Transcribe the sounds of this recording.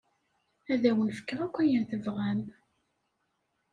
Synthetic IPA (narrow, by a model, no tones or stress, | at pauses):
æðæwənfə̥kːəʁˤækʷːæjənθəvʁæm